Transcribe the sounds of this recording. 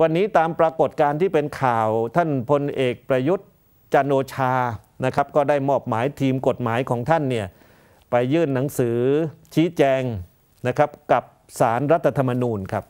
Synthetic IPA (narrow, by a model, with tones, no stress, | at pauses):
wa˧nːiː˦˥t̪aː˧mpɾa˧ko˨˩t̪̚kaː˧nt̪ʰiː˥˩pe˧nkʰaː˨˩wt̪ʰa˥˩npʰo˧nʔeː˨˩k̚pɾa˧ju˦˥t̪̚ | t͡ɕa˧noː˧t͡ɕʰaː˧ | na˦˥kʰa˦˥p̚kɔː˥˩daː˥˩jmɔː˥˩p̚maː˩˦jt̪ʰiː˧mko˨˩t̪̚maː˩˦jkʰɔː˩˦ŋt̪ʰa˥˩nːi˥˩ɐ | pa˧jːɯː˥˩nːa˩˦ŋsɯː˩˦t͡ɕʰiː˦˥t͡ɕɛː˧ŋ | na˦˥kʰɾa˦˥p̚ka˨˩p̚ | saː˩˦nɾa˦˥t̪ʰːa˧t̪ʰa˧mːa˧nuː˧nkʰa˦˥p̚